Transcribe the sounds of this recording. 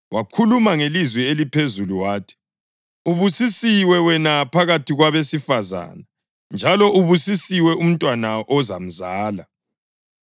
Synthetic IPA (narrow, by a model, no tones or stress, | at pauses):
wʔakʰulumaŋelizwɛelipʰezuluwaːtʰi̥ | uβusisiwɛwɛnapʰaɣatʰiɣwaβesifaza̰na | nd͡ʒʱalɔʔuβusisiwɛum̩tʼwanaʔɔzam̩zaːla